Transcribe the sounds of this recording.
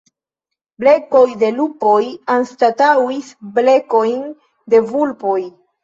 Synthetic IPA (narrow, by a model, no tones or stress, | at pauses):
ble̞ko̞jde̞lupo̞janstatawisble̞ko̞jn | de̞vulpo̞j